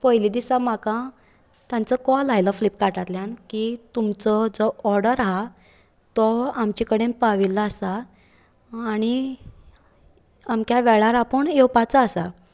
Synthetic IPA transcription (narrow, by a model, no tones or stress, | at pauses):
pəɦjlid̪isam̤akã | t̪jãnt͡səkɔlajlaflipkaʈat̪ljãnkit̪umt͡sɔd͡zɔɔɾɽəɾaɦa | t̪ɔamt͡ɕikəɽempaʋilːaːsaː | ɽ̃i | amkjaʋɛɭaɾapəɳewpat͡saːsa